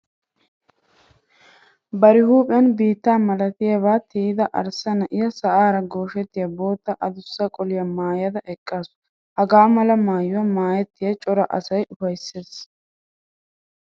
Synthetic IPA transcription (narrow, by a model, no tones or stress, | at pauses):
bɐɾɪhuːpʼɛjɐnbiːt̪ːaːmɐlɐt̪ɪjɐβaːt̪ʰid̪ɐʔɐ̰ɾsɐnɐʔɪjɐsɐʔaːɾɐɡo̞ːʃɛt̪ːɪjɐbo̞ːt̪ːɐʔɐd̪ʊsːɐkʼɔlɪjɐmaːjɐd̪ɐʔɛkʼːaːsʊ̥ | hɐɡaːmɐlɐmaːjʊwɐmaːjɛt̪ːɪjɐt͡ʃʼɔɾɐʔɐsɐjʔʊfɐjsːeːs